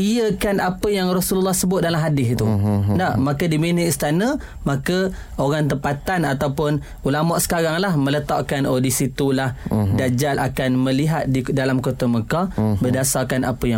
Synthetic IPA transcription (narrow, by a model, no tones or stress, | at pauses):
iəkanapəjaŋrosullːɑhsəbʊt̪̚dalamɦadɪst̪undaʔmakədiminəist̪anə̃ | makə | oɾaŋt̪̬əpat̪anat̪awpʊn | ulamaʔsə̥kaɾaŋlahmə̃lət̪aʔkanʔodisit̪ulahdad͡ʒalʔakanmə̃liɦat̪̚ddalamkot̪aməkabərdasakanʔa̰pəja